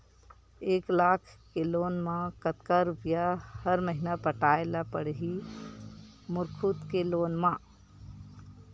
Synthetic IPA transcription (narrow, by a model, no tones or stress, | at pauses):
eːklaːkʰkeloːnmãkət̪kaɾʊpjahəɾməɦɪnapəʈaːelapəɽɦi | mʊɾkʰut̪keloːnmãː